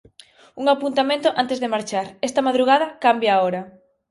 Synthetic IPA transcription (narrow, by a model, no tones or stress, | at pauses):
uŋapunt̪amẽnt̪ʊʔant̪ezðemaɾt͡ʃaɾɛst̪ɐmaðɾuɣað̞ɐkambjaːoɾɐ